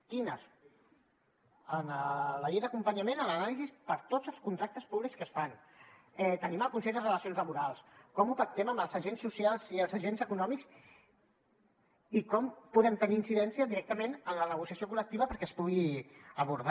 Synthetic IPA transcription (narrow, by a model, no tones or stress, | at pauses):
kinəs | ənələʎejðəkumpəɲəmenələnalizispəɾt̪od͡zəlˠskunt̪ɾak̚t̪əspuβlikskəsfan | ɛt̪əniməlˠkunseʎðərələsijonzləβuɾalˠskɔmupək̚t̪ɛməmbəlˠzəʒensːusialˠziəlˠzəʒenzəkunɔmiks | ikɔmpuðɛmt̪əniːnsiðɛnsiəðiɾɛk̚t̪əmenənlənəɣ̞usiasiokulək̚t̪iβəpəɾkɛəspuɣiəβuɾð